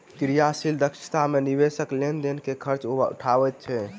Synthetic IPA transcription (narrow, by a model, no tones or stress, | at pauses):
kɾijasild̪əkʃi̥t̪amenibesəklend̪enkekʰəɾt͡ʃobaṵʈʰabɛt̪̚t͡ʃʰɛ